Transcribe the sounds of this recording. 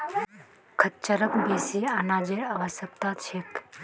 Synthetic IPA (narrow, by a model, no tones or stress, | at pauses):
kʰətt͡ʃəɾəkbesianad͡ʒeɾaʋəsəkt̪at͡ʃʰek